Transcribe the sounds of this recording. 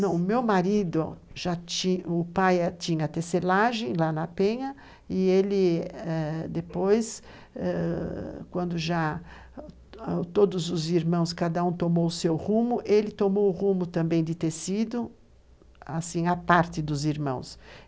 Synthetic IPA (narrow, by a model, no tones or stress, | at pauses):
nɐ̃w̃mewmaɾid̪ʊ | ʒ̥aiʊpajat͡ʃ̪ĩɲɐt̪eselaʒẽj̃lanɐpẽɲɐ | ɪelɪɛd̪epojs | ɛ | kwɐ̃nd̪ʊʒa | t̪od̪ʊzʊziɾmɐ̃w̃s̬kad̪ɐũt̪omowʊsewhũmʊʔelɪt̪omowʊʁũmʊt̪ɐ̃mbẽj̃d̪ɪt̪esid̪ʊ | asĩapaɾt̪ɪd̪ʊziɾmɐ̰̃w̃s